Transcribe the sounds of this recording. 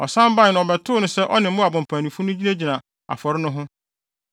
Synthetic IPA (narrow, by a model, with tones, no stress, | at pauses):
ɔ˨sã˦m˦ba˦˨nʊ̃˨ɔ˨bɛ˨tʰʊː˦nʊ̃˦sɛ˦ʔɔ˦nɪ̃˨m̩˦mʊ̃˦a˨bʊ̃˨pʰã˨nĩ˨fʊ̃˦nʊ̃˦d͡ʑi˦na˦d͡ʑi˨nã˨ | a̰˨fɔ˨ɾɪ˦nʊ̃˦ɦʊ̃˦